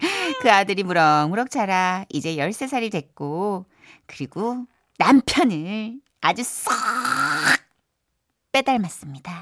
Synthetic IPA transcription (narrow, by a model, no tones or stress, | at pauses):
kɯadɯɾimuɾʌmuɾʌk̚t͡ɕʰaɾaid͡ʑe̞jʌɭs͈e̞s̬ʰaɾidwe̞k̚k͈o | kɯɾiɡo | nampʰjʌnɯ | ad͡ʑus͈ʌ | k̚ | p͈e̞daɭmas͈ɯmɲida